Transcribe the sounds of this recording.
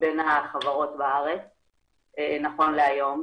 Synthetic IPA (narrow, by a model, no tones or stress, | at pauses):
benhaχavaʁo̞tbaaʁet͡s | enaχo̞nleajo̞m